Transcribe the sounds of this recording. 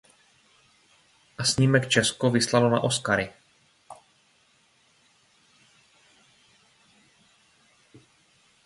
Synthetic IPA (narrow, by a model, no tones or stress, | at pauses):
ʔasɲimɛkt͡ʃɛskovɪslalona̰ʔo̞skaɾɪ